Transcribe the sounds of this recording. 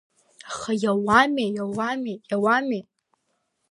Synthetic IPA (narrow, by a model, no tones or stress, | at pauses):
χajawamejawamejawame